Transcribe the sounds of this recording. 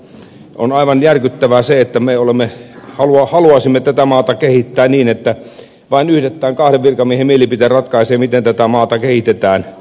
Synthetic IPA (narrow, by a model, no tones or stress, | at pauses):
o̰nɑiʋɑnjærkyt̪ːæʋæseet̪ːæmeolemːehɑluɑhɑluɑsimːet̪ːæt̪æmɑːt̪ɑkehit̪ːæːniːnet̪ːæ | ʋɑinyhɾet̪ːæːŋkɑhɾeʋʋirkɑmːiehemmielipit̪erɑt̪kɑiseːmit̪ent̪æt̪æmɑːt̪ɑkehit̪et̪æːn